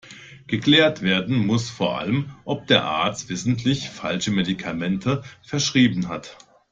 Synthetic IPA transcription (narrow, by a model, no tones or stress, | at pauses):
ɡ̥əkl̥eːɐtv̥eːɐdn̩mʊsfoːɐʔa̰ləmʔɔp̚d̥eːɐʔa̰ɐt͡stv̥ɪsn̩tʰlɪçfalʃəmedikʰamɛntʰəfɛɐʃʁ̥iːbn̩ɦat